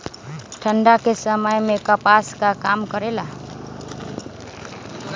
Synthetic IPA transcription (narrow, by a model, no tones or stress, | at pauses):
ʈʰəɳɖakesəməjmekəpaskakamkəɾela